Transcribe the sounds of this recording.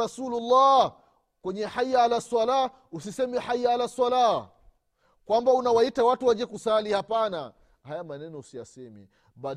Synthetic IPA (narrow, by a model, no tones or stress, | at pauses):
asululːa | kwɛɲɛħajalasala | usisɛmɛħajaalasala | kwambaunawaitawatuwad͡ʒɛkusalihapana̰ | hajamanɛnɔusijasɛmḭ | ɓa